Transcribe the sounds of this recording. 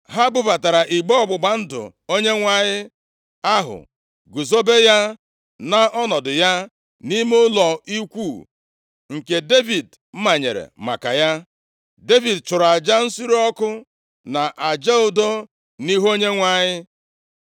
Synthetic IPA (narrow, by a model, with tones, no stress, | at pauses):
ɦa˦ɡ͡bʊ˦ba˨ta˨ɾa˨ʔi˨ɡ͡bɔ˦ɔ˦˨ɡ͡bʊ˨ɡ͡ba˨n̩˦dʊ̰˨ | o˦ɲe˦ŋʷa˦ɲɪ˦ | a˦ɦʊ̰˨ | ɡu˨zo˦be˦ja˦ | na˨ʔɔ˦nɔ˨dʊ˨ja˦ | ni˦me˦ʊ˦lɔ˨i˦kʷuː˦˨ | ŋ̩˨ke˨de˦vi˨d | m̩˦ma˨ɲḛ˨ɾḛ˨ma̰˨ka̰˨ja˦ | de˦vi˨dt͡ʃʊ˨ɾa˨d͡ʒa˦n̩˦si˦ɾɔ˦kʊ˦ | na˨ʔa˨d͡ʒa˦ʊ˦do˦ | ni˦ɦo˦ɲe˦ŋʷa˦˨ɲɪ˦